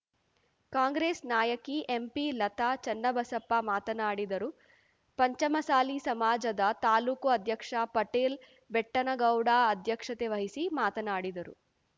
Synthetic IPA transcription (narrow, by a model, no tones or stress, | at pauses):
kaːŋɡɾeːsnaːjɐkiʔempiːlɐt̪aːt͡ʃɐnːɐbɐsɐpːamaːt̪ɐnaːɽid̪ɐɾu | pɐɲt͡ʃɐmɐsaːlisɐmaːd͡ʒɐd̪ɐt̪aːluːkuɐd̪ʱjɐkʂapɐʈeːl | bɛʈːɐnɐɡɐwɽaːɐd̪ʱjɐkʂɐt̪eʋɐɦisimaːt̪ɐnaːɽid̪ɐɾṵ